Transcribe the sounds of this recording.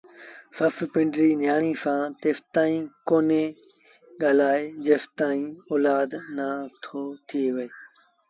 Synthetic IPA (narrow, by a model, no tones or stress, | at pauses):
səfpɪ̃ɳɖɾiːnjaːɳ̃iːsãːt̪eːft̪aːĩːkoːneː | ɠaːlaːed͡ʑeːft̪aːĩːɔːlaːd̪naːt̪ʰoːt̪ʰiːʋɐeː